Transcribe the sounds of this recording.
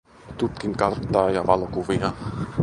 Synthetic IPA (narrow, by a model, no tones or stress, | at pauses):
t̪ut̪kiŋkɑrt̪ːɑːjɑʋɑlokuʋiɑ